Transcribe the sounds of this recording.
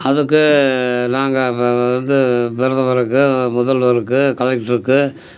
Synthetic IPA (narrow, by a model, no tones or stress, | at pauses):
ɐðɯkːɯnaːŋɡɐɐnd̪ɯʋɪɾɯðɐʋɐɾɯkːɯmʊðɐlʋɐɾɯkːɯkɐlɐkʈɪɾɯkːɯ